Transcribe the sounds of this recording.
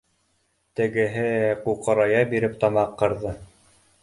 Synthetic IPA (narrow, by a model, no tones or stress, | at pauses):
t̪ɘ̆ɡɘ̆ɦɘquqɤ̆ɾɑjɑbiɾɘpt̪ɑmɑqːɤ̆ɾðɤ